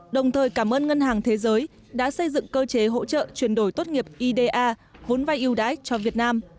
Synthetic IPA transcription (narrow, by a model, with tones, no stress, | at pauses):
ɗə˨˩wŋ͡mt̪ʰəː˨˩jkaː˧˩mʔəː˧nŋə˧nɦaː˨˩ŋt̪ʰe˨˦zəː˨˦j | ɗa̰ː˧˥sə˧jzɨ̰˧˨ŋkəː˧t͡ɕe˨˦ɦo̰˧˥t͡ɕə̰ː˧˨t͡ɕwi˧˩ənɗo˧˩jt̪o˦˥t̚ŋi˨˩əp̚ʔi˧ɗe˧ʔaː˧vo˨˦nvaː˧jʔi˧wɗaː˨˦jt͡ɕɔ˧vi˨˩ət̚naː˧m